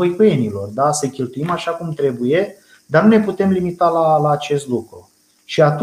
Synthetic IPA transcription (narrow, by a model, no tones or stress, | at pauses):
ojkujenilo̞rd̪asəkʲelt̪uimaʃakumt̪ɾe̞buje̞ | d̪anune̞put̪e̞mlimit̪alalaːt͡ʃe̞st̪lukɾṵ | ʃiat̪u